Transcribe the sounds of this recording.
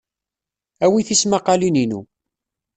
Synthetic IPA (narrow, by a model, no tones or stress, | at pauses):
æwiθismaqɑlininṵ